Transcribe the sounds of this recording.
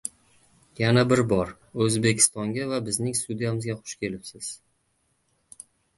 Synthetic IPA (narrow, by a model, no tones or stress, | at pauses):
janabɪɾbɒɾ | ɵzbekʲʰɪ̥st̪ɒŋɡʲavabɪznɪŋst̪ud̪ijamɪzɡʲaχʊ̥ʃkʲʰe̞lɪpsɪz̥